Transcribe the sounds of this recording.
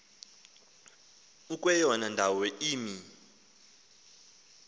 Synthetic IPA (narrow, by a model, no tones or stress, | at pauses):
ukʼwɛjɔnandʱawɛʔiːmi